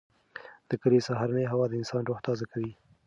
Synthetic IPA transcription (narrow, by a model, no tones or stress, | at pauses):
d̪̥əkəlesaɦaɾanəjɦawɑd̪əɪnsɑnɾoht̪ɑzakawi